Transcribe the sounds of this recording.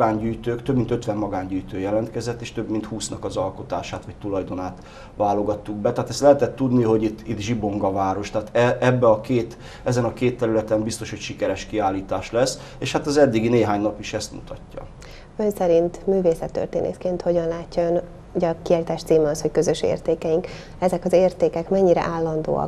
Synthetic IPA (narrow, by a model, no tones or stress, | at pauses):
ɡaːɲɟyːjt̪øːkt̪øbmint̪øt̪ʋɛmːɒɡaːɲɟyːjt̪øːjɛlɛnt̪kɛzɛt̪ːeːʃt̪ø̞bmint̪huːsnɒkɒzɒlko̞t̪aːʃaːt̪ʋɒc̚t̪ulɒjd̪o̞naːt̪ | ʋaːlo̞ɡɒt̪ːuɡ̚bɛt̪ɛɦaːt̪ɛst̪lɛɦɛt̪ɛt̪ːud̪niɦo̞ɟit̪ːit̪ʒibo̞ŋɡɒvaːɾo̞ʃt̪ɛaːt̪ɛɛbːɛɒkeːt̪ | ɛzɛnɒkeːt̪ːɛɾylɛt̪ɛmbist̪o̞ʃhocʃikɛɾɛʃkiaːlːiːt̪aːʃlɛs | eːʃhat̪ɒzɛd̪ːiɡineːɦaːɲnɒpiʃɛst̪mṵt̪ɒcːɒ̰ | ø̞nsɛɾint̪myːveːsɛt̪ːø̰rt̪ḛːnʔḛːt̪keːnt̪ho̞ɟɒnlaːcːɒøn | uɟɒkiaːlit̪aːʃt̪siːmɛɒsho̞ckø̞zøʃḛːrt̪eːkɛjiŋk | ɛzɛkɒzeːrt̪eːkɛkmɛɲːiɾɛ̰ʔaːlːɒnd̪o̰ːɒ̰k